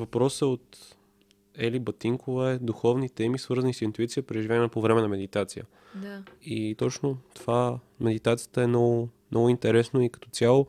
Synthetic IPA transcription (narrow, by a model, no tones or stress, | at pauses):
vɐpɾɔsəot̪ | ɛlibɐt̪iŋkovəɛd̪uxɔvnit̪ɛmisvɤɾzənisint̪uit̪sijəpɾɛʒivʲjaɛnɐpovɾɛmɛnɐmɛd̪it̪at̪sijə̰ | dit̪ɔt͡ʃnot̪ova | mɛd̪it̪at̪sijə̥t̪əɛnɔɡʊnʔɔɡʊint̪ɛɾɛsnoikɐ̥t̪ɔt̪sʲjalˠo